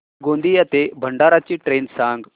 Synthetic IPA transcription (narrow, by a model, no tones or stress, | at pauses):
ɡõnd̪ijat̪ebʱəɳɖaɾat͡ɕiːʈɾensãŋɡ